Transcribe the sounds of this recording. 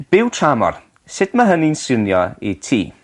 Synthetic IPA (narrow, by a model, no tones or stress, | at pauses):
b̥ɪwtʰramɔ̰r | sɪdmaɦəninsɪnjɔ̰ḭtʰḭː